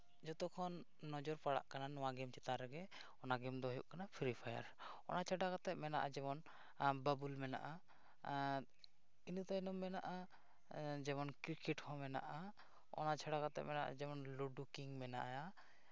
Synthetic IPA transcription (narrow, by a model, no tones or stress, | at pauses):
d͡ʒɔt̪ɔkʰɔnː | ɔd͡ʒɔɾpaɽa̰ʔkananɔwaɡɛmt͡ʃɛt̪aɾɛɡɛ | ɔnaɡɛmd̪ɔɦɔjṵʔkanapʰiɾipʰaja̰ɾ | ɔ̰nat͡ʃʰaɖakat̪ɛʔ̚mɛnaʔad͡ʒɛbɔn | babulmɛna̰ʔa | inut̪anɔmːɛnaʔa | d͡ʒɛmɔnkɾikɛʈhɔ̃mɛna̰ʔa | ɔ̰nat͡ʃʰaɽakat̪ɛ̰ʔ̚mɛnaʔa̰d͡ʒɛmɔnluɖukiŋmɛna̰ʔaja